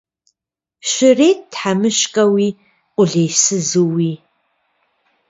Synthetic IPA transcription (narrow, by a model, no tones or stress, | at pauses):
ʃɪreːt̚dħamɨʃkʼɐwi | qʷʼʊɮejsɨzowi